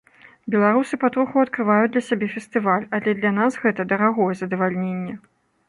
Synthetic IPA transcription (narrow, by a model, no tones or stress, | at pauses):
bʲɛlˠaɾusɨpat̪ɾuxuɐt̪̚kɾɨvajud̪lʲɐsʲabʲɛfʲɛst̪ɨvalʲɐlʲɛd̪lʲɐnasɣɛt̪ɐd̪ɐɾaɣɔjɛzɐd̪ɐvalʲnʲenʲːɛ